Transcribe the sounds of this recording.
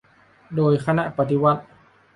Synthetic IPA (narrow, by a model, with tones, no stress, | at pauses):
doː˨˧jkʰa˧na˧ʔpa˧t̪i˧˥wa˧˥t̪̚